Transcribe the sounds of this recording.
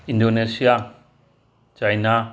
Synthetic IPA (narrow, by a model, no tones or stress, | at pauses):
indonesija | t͡ʃajna